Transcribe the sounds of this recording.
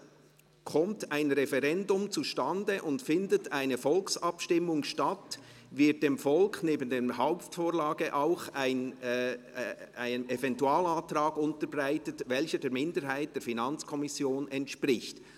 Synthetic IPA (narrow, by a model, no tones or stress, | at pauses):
kʰɔmtaɪnʁɛfɛʁɛndʊmt͡suʃtandəʔʊntfɪndətaɪnəfɔlksɑpʃtɪmʊŋʃtat | vɪt̚d̥eːmfɔlkneːbən̩deːmhaʊptfoːɾlaːɡəʔaʊxaɪn | aɪənɛvɛntuaːlaːtɾaːɡʊntəɾbʁaɪtətvɛlçədeːɾmɪndəɾɦaɪt̚d̥eːɹfinɑnt͡skʰɔmɪsjoːnɛntʃpʁɪçt